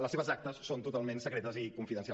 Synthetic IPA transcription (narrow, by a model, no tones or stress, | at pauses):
ləseβəzak̚t̪əsːont̪ut̪alˠmẽnsəkɾɛt̪əzikuɱfiðənsa